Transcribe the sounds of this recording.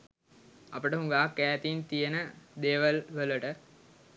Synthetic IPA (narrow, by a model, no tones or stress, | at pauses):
ɐpəʈəɦuŋɡaːkːæːt̪int̪ijenəd̪eːʋəlʋələʈə